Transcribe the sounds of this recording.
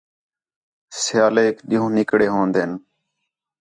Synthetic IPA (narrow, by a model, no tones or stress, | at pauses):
sɪjaːleːkɗɪɦõːnɪkɽeːɦõːnd̪eːn